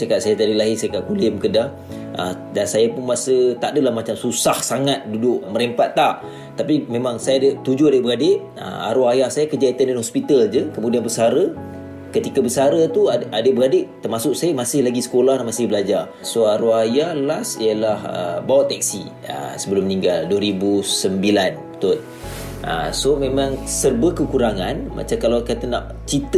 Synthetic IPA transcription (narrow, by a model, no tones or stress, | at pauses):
sakaʔsajat̪adilaɦɪsakaʔ̚kulɪmkədah | ʔə̰ | dansajapʊnmasət̪aʔdəlahmat͡ʃamsusahsaŋat̪̚dudʊʔməɾempat̪ːaʔ | t̪apimemaŋsajadət̪ud͡ʒuadəbəradeʔ | ə̰a̰ɾuajahsajakəd͡ʒait̪andanhɦɔspit̪ald͡ʒəkəmudianbəsaɾə | kət̪ikabəsaɾət̪uaʔadəʔbəradɪʔt̪ərmasʊksajamasɪhlaɡisə̥kolahnaʔmasɪhbəlad͡ʒar | soaɾuajalasijəlahə̰bawat̪ːɛk̚si | ə̰səbəlʊmniŋɡalduəɾibusəmbilanət̪ʊt̪̚ | ʔə̰somẽmãŋsərbəkəkuɾaŋanma̰t͡ʃamkalawkat̪əna̰ʔ | t͡ʃit̪